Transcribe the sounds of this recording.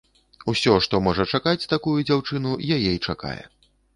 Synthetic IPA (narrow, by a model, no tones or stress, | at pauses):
usʲɔʂt̪ɔmɔʐɐt͡ʂakat͡sʲt̪akujud͡zʲawt͡ʂɨn̪ujajɛit͡ʂaka̰jɛ̰